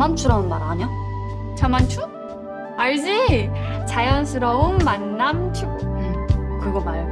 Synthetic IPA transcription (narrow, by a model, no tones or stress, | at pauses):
ant͡ɕʰuɾaunma̰ɾaɲʌ | t͡ɕʌmant͡ɕʰu | aɭd͡ʑit͡ɕajʌnsʰɯɾʌunmanːamt͡ɕiɡo | kɯɡʌmaj